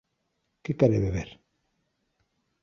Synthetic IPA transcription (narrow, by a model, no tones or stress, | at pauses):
kekaɾeβeβeɾ